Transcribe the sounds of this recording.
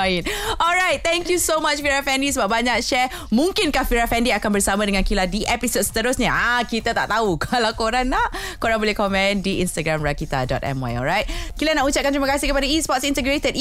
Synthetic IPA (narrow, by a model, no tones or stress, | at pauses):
inɔlɹajt̪̚t̪ɛ̃ŋkjusomat͡ʃfiɾafɛndisəbap̚baɲak̚ʃɛ | mũŋkɪnkahfiɾafɛndiakanbərsamãdəŋãnkiladiʔɛpisot̚sə̥t̪əɾʊsɲaʔakit̪at̪a̰ʔt̪aukalakoɾaŋlakoɾaŋbolɛhkɔmɛ̃ndiʔinst̪aɡɾamɹakit̪a̰dɔ̰t̪ɛ̰mwa̰jɔ̰lɹajt̪̚kilanaʔut͡ʃap̚kant̪ɾimakasihkəpadaispɔtsint̪əɡɾet̪ət̚